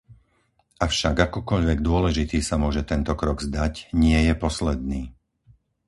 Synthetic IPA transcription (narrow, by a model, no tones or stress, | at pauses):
ʔafʃaɡakɔkɔʎʋɛɡd̪ʊɔlɛʒit̪iːsamʊɔʒɛt̪ɛnt̪ɔkɾɔɡzd̪acɲɪɛjɛpɔslɛd̪̚niː